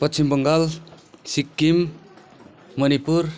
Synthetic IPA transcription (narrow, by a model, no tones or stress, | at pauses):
pʌtsimbʌŋɡalsikːim | mʌnipuɾ